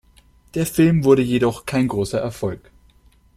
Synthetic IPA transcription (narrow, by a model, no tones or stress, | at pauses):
d̥eːɐfɪlmvʊɐɾəjedɔχkʰaɪnɡʁoːsɐʔɛɐfɔlk